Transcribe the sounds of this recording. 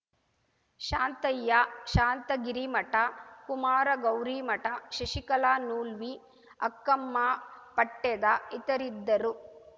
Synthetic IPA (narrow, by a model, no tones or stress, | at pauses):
ʃaːnt̪ɐjːɐʃaːnt̪ɐɡiɾimɐʈɐkumaːɾɐɡɐwɾiːmɐʈɐʃɐʃikɐlaːnuːlʋi | ɐ̰kːɐmːaːpɐʈːɛd̪ɐit̪ɐɾid̪ːɐɾu